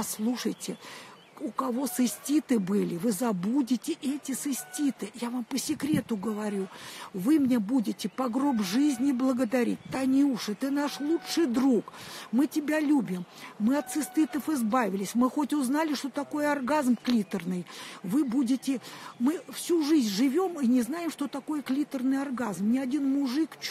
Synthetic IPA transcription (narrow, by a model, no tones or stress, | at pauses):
slˠuʂəjtʲɪ | ʊkɐvo̞sɨsʲtʲit̪ɨbɨlʲɪvɨzɐbudʲɪtʲɪʔɛtʲɪsɨsʲtʲit̪ɨjavampəsʲɪkɾʲe̞t̪ʊɡəvɐɾʲuvɨmnʲe̞budʲɪtʲɪpɐɡɾo̞bʐɨzʲnʲɪblˠəɡəd̪ɐɾʲḭt̚ʲt̪anʲɪuʂɨt̪ɨnaʂlˠutʂɨjd̪ɾukmɨtʲɪbʲalʲubʲɪmːɨɐt̪sɨst̪ɨt̪əfɪzbavʲɪlʲɪsʲmɨxo̞tʲʊznalʲɪʂt̪ot̪ɐko̞jəɐrɡazmklʲit̪ərnɨjvɨbudʲɪtʲɪmɨfsʲuʐɨzʲnʲʐɨvʲo̞minʲɪznajɪmʂt̪o̞t̪ɐko̞jəklʲit̪ərnɨjɐrɡazmnʲɪɐdʲinmʊʐɨk